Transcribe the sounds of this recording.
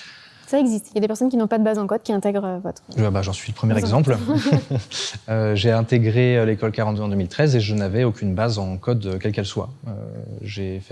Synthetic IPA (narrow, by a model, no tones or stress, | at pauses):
saɛɡzist̪iljad̪epɛʁsɔnkʲinɔ̃pad̪əbazɑ̃kɔd̪̚kʲiɛ̃t̪ɛɡʁøvɔt̪χʒəbaʒɑ̃sɥiləpχəmjɛʁɛɡzɑ̃pl | øʒeɛ̃t̪eɡʁeølekɔlkaʁɑ̃t̪d̪øɑ̃d̪əmilt̪χɛzeʒənavɛokʲynbazɑ̃kɔd̪økʲɛlkɛlswa̰ø̰ʒefɛ